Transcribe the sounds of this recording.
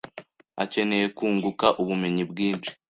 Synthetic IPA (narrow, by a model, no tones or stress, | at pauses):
ace̞ne̞je̞kuːŋɡukaʔuβume̞ɲibɡiːnt͡ʃi̥